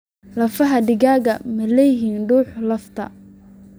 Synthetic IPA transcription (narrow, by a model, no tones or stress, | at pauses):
lɐfɐɦɐɖɪɣaːɣɐmɐlɛjɪɦiːnɖuːħlɐft̪ʰɐ̰